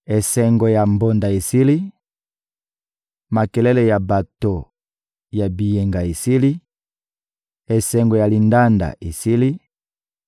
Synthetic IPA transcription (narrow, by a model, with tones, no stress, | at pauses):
e˨sɛ˨ŋɡo˨ja˨mbo˨nda˨e˨si˦li˦ | ma˨kɛ˨lɛ˦le˨ja˨ba˨to˨ | ja˨bi˨je˨ŋɡa˨e˨si˦li˦ | e˨sɛ˨ŋɡo˨ja˨li˨nda˦nda̰˨ʔe˨si˦li˦